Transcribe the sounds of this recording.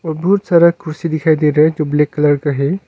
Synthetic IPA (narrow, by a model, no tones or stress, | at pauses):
obɦut̪səɾəɡ̚kʰːuɾsid̪ikʰajd̪eɾəɦd͡ʒoblekːələɾkəɦe